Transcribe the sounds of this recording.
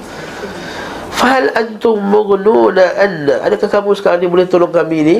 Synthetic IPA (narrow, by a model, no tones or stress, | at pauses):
fahalʔant̪ʊmːʊɣnuːnaʔanːaʔa̰nakakamuskanibulet̪oloŋkamini